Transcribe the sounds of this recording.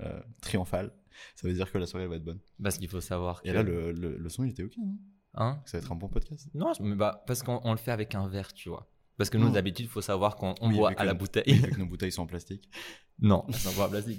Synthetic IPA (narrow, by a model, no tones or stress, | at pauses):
ø̰t̪χijɔ̃fal | savød̪iʁkəlaswaʁeɛvaɛt̪̚bɔnpaʁsə̥kilfosavwaʁelalələ̰ləsɔ̃ilet̪ɛokʲenɔ̃ | ɛ̃kəsavɛt̪χɛ̃bɔ̃pɔd̪kʲast̪nɔ̃mɛbapaʁsə̥kɔ̃ʔɔ̃ləfɛavɛkɛ̃vɛʁt̪ʰyvwa̰ | paʁsə̥kənud̪abit̪yd̪ifosavwaʁkɑ̃ːɔ̃vwayʔalabut̪ɛjivykkənobut̪ɛjswɔ̃ɑ̃plast̪ik | nɔ̰̃ɛlsɔ̃vwaɑ̃plast̪ik